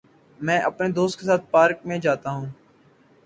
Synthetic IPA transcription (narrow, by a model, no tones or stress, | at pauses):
mɛ̃ːʔəpned̪oːst̪̚kesaːt̪̚paːɾkmẽd͡ʒaːt̪aɦũː